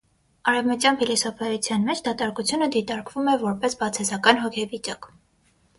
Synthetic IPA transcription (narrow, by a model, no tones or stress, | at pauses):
ɑɾɛvmət̪jɑnfʰɛlisɔfʰɑjut͡sʰjɑnmɛt͡ʃʰd̪ɑt̪ɑɾkut͡sʰjunəd̪it̪ɑɾkvumɛvɔɾpɛsbɑt͡sʰɛzɑkɑnɦɔkʰɛvit͡ʃɑk